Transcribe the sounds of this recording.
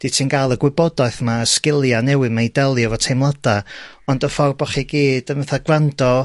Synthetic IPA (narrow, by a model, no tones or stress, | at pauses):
d̥itʰinɡalˠəɡwɪbɔdaɨθmaəskɪlˠjanɛwɨmejdɛlˠɨɔvɔtʰejmlˠad̥a | ɔndəfɔrbɔχiɡiːd̥əvəθaɡrandɔ